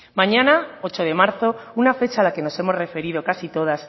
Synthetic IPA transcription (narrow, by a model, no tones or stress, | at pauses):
mãɲãnao̞t͡ʃoð̞e̞maɾθo̞unafe̞t͡ʃaːlake̞no̞se̞mo̞zre̞fe̞ɾiðo̞kasit̪o̞ðas